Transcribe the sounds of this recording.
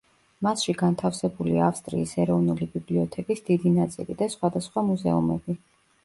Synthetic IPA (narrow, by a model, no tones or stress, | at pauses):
masʃiɡant̪ʰafsɛbuliaːfst̪ʼɾiːsɛɾɔvnulibibliɔt̪ʰɛkʼisd̪id̪inat̪sʼḭlid̪asχwad̪asχwamuzɛ̰umɛ̰bi